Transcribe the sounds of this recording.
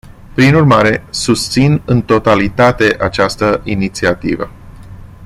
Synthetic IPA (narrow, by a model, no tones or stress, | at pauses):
pɾinurmaɾe̞sust̪sinɨnt̪o̞t̪alit̪at̪e̞ʔat͡ʃast̪əʔinit̪siat̪ivə̰